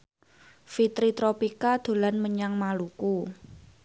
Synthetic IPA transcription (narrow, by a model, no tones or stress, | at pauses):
fit̪ɾit̪ɾopikad̪̥o̤lanməɲaŋmaluku